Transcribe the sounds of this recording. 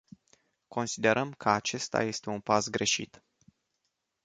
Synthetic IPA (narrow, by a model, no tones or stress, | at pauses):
ko̞nsid̪e̞ɾʔəmkʰəat͡ʃe̞st̪a̰je̞st̪e̞unpasɡɾe̞ʃḭt̪